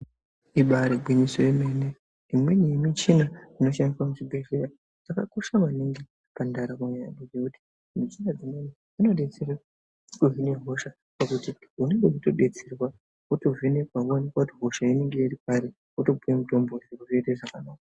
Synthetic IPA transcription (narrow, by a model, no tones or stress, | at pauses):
iɓaɾebʱwiɲisojemene | imwenimit͡ʃinaino̞ʃamiswamut͡ʃibʱe̞ʐeɾa | d͡zakakoʃamaniŋɡe | pandaɾakuɲajadid͡zekuti̥ | mit͡ʃinad͡zimeni | ino̞ɗe̞t͡sera | kuɦine̞ɦo̞ʃa | pakutiune̞ŋɡekuto̞ɓe̞t͡serwa | oto̞vene̞kwaanekwautiɦo̞ʃaine̞ŋɡe̞iripaɾe | oto̞bujemuto̞mboriɾekuʐeteʐakanaːka